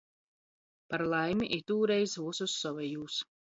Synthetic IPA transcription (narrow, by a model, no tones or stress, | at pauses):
paɾlˠajmʲiʔiɾt̪uːɾɛjsvuɔsusːɔvɛjuːs